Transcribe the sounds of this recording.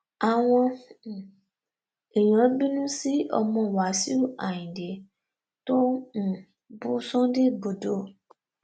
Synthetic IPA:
a˨w̃ɔ̃˧˨ | e˨j̃ɔ̃˨˦bĩ˦nũ˦si˦ɔ̰˧mɔ̃˧˨wa˨si˦u˦˨a˨jĩ˨de˨˦ | tõ˦˨ | bu˦sɔ̃˦de˦bo˨˧do˦

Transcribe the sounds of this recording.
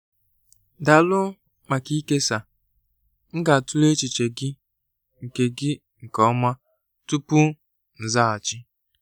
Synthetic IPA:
da˨lʊ˦ | ma˨ki˦ke˦sa˨ | ŋ̩˦ɡa˨tu˦le˦t͡ʃɪ˨t͡ʃe˨ɡɪ˦ | ŋ̩˨ke˨ɡɪ˦ | ŋ̩˨kɔ˦ma˦ | tu˦pu˦ | n̩˨za˦a˨t͡ʃɪ˦

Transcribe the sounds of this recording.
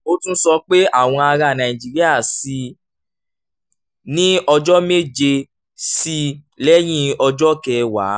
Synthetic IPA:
o˦tũ˦sɔ˧k͡pe˦a˦˨w̃ɔ̃˧a˧ɾa˨nã˨ĩ˨d͡ʒi˧ɾi˦a˦˨si˧ | nĩ˦ɔ˧d͡ʒɔ˦me˦˨d͡ʒe˧ | si˦ | lɛ˦j̃ĩ˦ɔ˧d͡ʒɔ˦kɛ˧wa̰˨˦

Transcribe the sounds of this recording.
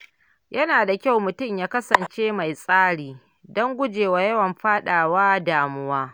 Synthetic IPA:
jɐ˦naː˨da˨kʲa˦wmʊ˨tʊ˦˨mjaː˦kɐ˦sɐ˨nt͡ʃeː˦ma˨jsʼaː˦ɽiː˨ | dɔ˦ŋɡʷʊ˦d͡ʒeː˨wa˨jɐ˦wɐ˨mɸaː˦ɗaː˨waː˦daː˨mʊ˦waː˦

